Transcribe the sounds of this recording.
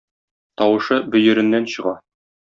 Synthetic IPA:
t̪ɒwɤ̆ʃɤbɵ̆jɵ̆ɾɘ̆nːænɕɤ̆ʁɑ

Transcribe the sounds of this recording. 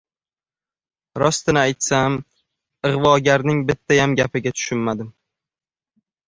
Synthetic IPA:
ɾɒst̪ɪnɪajt̪sam | ɨʁvɒɡʲaɾnɪŋbɪt̪ʰːajamɡʲapɪɡʲat̪ʰʊ̥ʃʊnmad̪ɪm

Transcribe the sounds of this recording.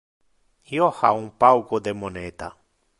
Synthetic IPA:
hiohaũpawkod̪emonet̪a

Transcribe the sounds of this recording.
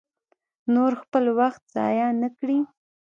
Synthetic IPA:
noɾxpəlwaxt̪̚z̥ɑ̰jɑnəkɽi

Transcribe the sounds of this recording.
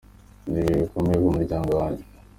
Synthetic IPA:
niikomejekumuɾɟaːŋɡowaːɲɟe

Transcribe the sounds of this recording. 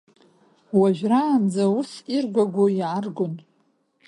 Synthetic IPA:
waʒᶣraːnd͡zausirɡʷaɡʷoiʕarɡʷʊn

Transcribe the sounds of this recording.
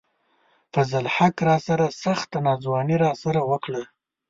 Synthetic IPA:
fazalħakɾɑsaɾasaxt̪anɑzwɑniɾɑsaɾawəkɽə

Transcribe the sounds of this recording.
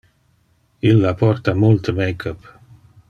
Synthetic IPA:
ilːapɔrt̪amult̪əmejkʰəp

